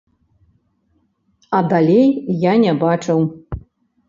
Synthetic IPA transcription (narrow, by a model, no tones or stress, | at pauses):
ɐd̪alʲejːanʲɛbat͡ʂɨw